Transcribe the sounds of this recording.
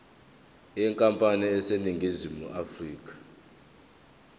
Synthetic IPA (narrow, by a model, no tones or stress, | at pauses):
ɛŋkʼampʼaniɛseniŋɡʱizimṵʔafriːk̬ʼḁ